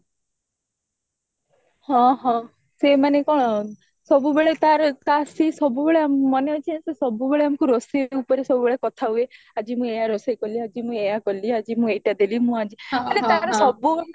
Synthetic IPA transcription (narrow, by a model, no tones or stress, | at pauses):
hɔ̃ɦɔ̃ | semanekɔ̃ɔ | sɔbubeɭet̪aɾɔt̪asisɔbubeɭeammɔneɔt͡ʃʰẽsesɔbubeɭeamɔ̃kuɾɔsiupɔɾesɔbubeɭekɔt̪ʰaɦue | ad͡ʒimũejaɾɔsajkɔliad͡ʒimũejakɔliad͡ʒimũejʈad̪elimũad͡ʒikaɾeaɾɔsɔbu